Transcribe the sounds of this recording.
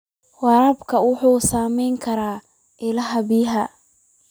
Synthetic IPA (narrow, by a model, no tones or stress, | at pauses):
wɑɾɐbkʰɐwʊħuːsaːmɛjŋkʰɐɾaː | ʔɪlɐɦɐbiːɦɐ